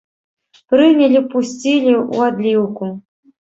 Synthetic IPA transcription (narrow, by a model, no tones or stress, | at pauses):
pɾɨnʲɐlʲipusʲt͡sʲilʲiṵad̪lʲiwku